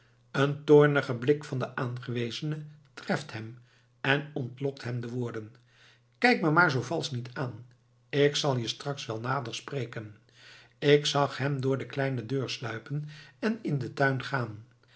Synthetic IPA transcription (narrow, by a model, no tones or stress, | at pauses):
əntʊːɹnəχəblɪkfɑndəʔaːnχəʋejzənətrɛftɦɛm | ɛnɔntlɔk̚tɦɛmdəʋʊːɹdən | kɛjk̚maːɹmaːɹzowvɑlˠsnitʰaːn | ɪksɑlˠjəstrɑksʋɛlˠnaːdəɹsprejkən | ɪksɑχɦɛmdʊːɹdəklɛjnədøːɹslœɥpənɛnɪndətœɥnχaːn